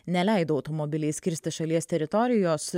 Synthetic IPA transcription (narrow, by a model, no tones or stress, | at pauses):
nʲɛlʲæˑɪd̪oːɐʊt̪ɔmɔbʲɪlʲɛɪsʲkʲɪɾʲsʲt̪ʲɪʃɐlʲiɛst̪ʲɛɾʲɪt̪ɔɾʲɪjoːs